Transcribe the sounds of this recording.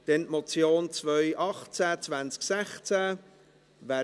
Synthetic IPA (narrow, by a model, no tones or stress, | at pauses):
d̪̥ɛnt̪mɔt͡sjoːnt͡svœʏʔɑχt͡sæt͡svant͡sksɛχt͡sæ | væː